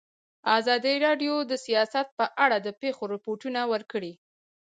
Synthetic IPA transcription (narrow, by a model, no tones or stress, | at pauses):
azɑd̪iɾɑɖjod̪əsijɑsat̪̚pəʔaɽad̪əpexoɾɪpoʈunawəɾkəɽi